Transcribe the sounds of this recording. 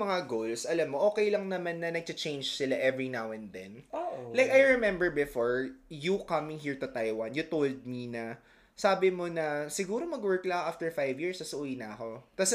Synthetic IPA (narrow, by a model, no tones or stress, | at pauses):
mɐŋaɡowlsʔɐlɐmːoʔo̞ːkɛjlɐŋnɐmanːɐnɐɡ̚tɐt͡ʃẽjnd͡ʒsɪlaʔɛvɹinawɛ̃nd̪ɛ̰nolajkɐjɹɛmɛ̃mbɛɹbɪfoɹjukɐmɪ̃ŋɦiɹt̪ʊt̪ajwɐnjʊt̪old̪̚minɐ | saːbɪmonɐsɪɡuːɾomɐɡwɜɹklɐʔaft̪ɛɹfajvjiɹsɐsʔuːjɪnɐɐko̞t̪ɐs